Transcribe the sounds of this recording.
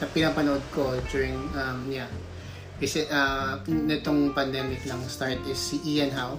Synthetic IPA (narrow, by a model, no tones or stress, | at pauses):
sɐpɪnaːpɐnoʔod̪̚ko̞d͡ʒuɹɪŋɐmɲa | kɐsɛʔɐnɪt̪oŋpɐnd̪ɛmɪknɐŋst̪aɹt̪ɪsːiʔiɛnɦaw